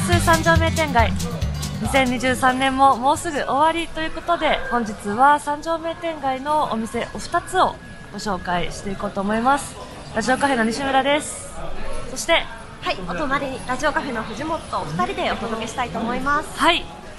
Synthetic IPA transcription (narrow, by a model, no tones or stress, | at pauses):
sɨsãɲ̟d͡ʑo̞ːme̞ːt̪ẽ̞ŋɡaiɲ̟isẽ̞ɲ̟ːiʑɨːsãnːẽ̞mːo̞mo̞ːsɨɡɯ̟ʔo̞βaɾʲit̪o̞jɯ̟ːko̞t̪o̞d̪e̞hõ̞ɲ̟d͡ʑit͡sɨβasãɲ̟d͡ʑo̞ːme̞ːt̪ẽ̞ŋɡaino̞o̰mʲise̞ʔo̞ɸɯ̥t̪at͡sɨo̞ | ɡ̥o̞ɕo̞ːkaiɕi̥t̪e̞iko̞ːt̪o̞ːmo̞imasɨ̥ | ɾaʑio̞kaɸe̞no̞ɲ̟iɕɨmɯ̟ɾad̪e̞sɨ̥ | so̞ɕi̥t̪e̞ | haiot̪onaɾʲiɾaʑio̞kaɸe̞no̞ɸɯ̟ʑimo̞t̪ːoɸɯ̟̥t̪aɾʲid̪e̞ot̪o̞d̪oke̞ɕi̥t̪ait̪o̞ːmo̞imasɨ̥hai